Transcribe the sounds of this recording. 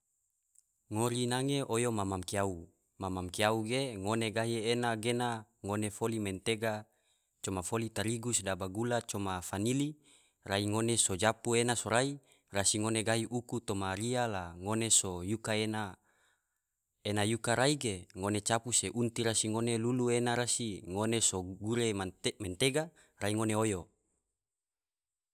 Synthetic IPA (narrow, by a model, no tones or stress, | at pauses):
ŋoɾinaŋeʔojomamamkiau | mamamkiauɡeŋoneɡaɦienaɡenaŋonefoliment̪eɡa | t͡ʃomafolit̪aɾiɡusdabaɡulat͡ʃomafanili | raiŋonesod͡ʒapuenasoɾai | rasiŋoneɡaiʔukut̪omaɾialaŋonesojukaena | enajukaɾaiɡeŋonet͡ʃapuseʔunt̪iɾasiŋoneluluenaɾasiŋonesoɡuɾemament̪eɡa | raiŋoneojo